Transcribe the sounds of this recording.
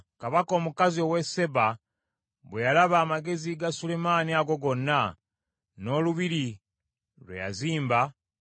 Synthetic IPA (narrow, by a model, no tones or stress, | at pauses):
kaβako̞ːmukazio̞we̞se̞βa | βwejalaβaːmaɡe̞ziɡasule̞maniaɡo̞ɡo̞nːa | no̞luβiɾi | lwḛja̰ziːmba